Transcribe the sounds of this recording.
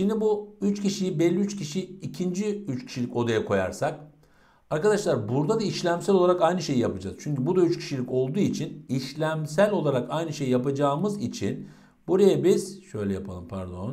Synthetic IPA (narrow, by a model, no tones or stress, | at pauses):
ʃind̪ibuyt͡ʃcʰiʃijibɛlʲːiyt͡ʃcʰiʃiːcʰind͡ʒiyt͡ʃcʲʰi̥ʃilʲico̞d̪ajakʰo̞ja̰ɾsak | aɾkad̪aʃlˠaɾbuɾd̪ad̪aiʃlʲæmsælʲo̞lˠaɾakajnɯʃe̞jijapad͡ʒa̰z̥t͡ʃʰyɲcybud̪ayt͡ʃcʲʰi̥ʃilʲico̞lˠd̪uːit͡ʃʰiniʃlʲæmsælʲo̞lˠaɾakajnɯʃe̞jijapad͡ʒaːmɯzit͡ʃʰḭn | buɾajabiz̥ʃø̞jlʲɛjapʰalˠɯmpʰæ̰ɾd̪o̞̰n